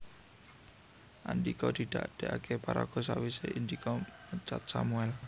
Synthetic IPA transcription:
ʔa̰nd̪ikɔd̪̥i̤d̪̥a̰ʔd̪̥eʔakepaɾa̰ɡ̥ɔ̤sawiseʔind̪ikʰɔmət͡ʃat̪̚samuɛl

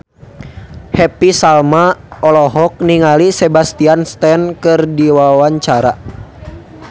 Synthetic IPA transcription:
hɛpisalmaɔlɔɦɔk̚niŋalisɛbast̪ianst̪ɛnkɨrdiwawaɲt͡ʃaɾa

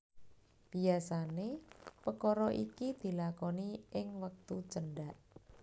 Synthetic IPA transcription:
b̥iasanepəkɔɾɔʔḭkid̪̥i̤lakɔniʔɪŋwək̚t̪ut͡ʃəɳɖaʔ

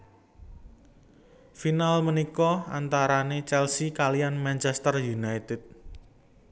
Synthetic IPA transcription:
finalmənikɔa̰nt̪aɾanet͡ʃɛlsikalianmant͡ʃɛst̪ərjunajt̪ɪt̪̚

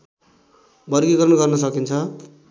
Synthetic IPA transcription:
bʌɾɡiɡʌɾʌnɡʌrnʌsʌkint͡sʰʌ

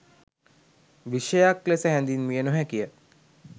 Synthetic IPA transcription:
ʋiʃəjaklesəɦɛnd̪inmijənuɦækijə

